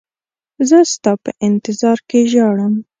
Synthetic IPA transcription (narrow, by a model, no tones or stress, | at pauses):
zəst̪ɑpəʔɪnt̪ɪzɑɾkeʒɑɽəm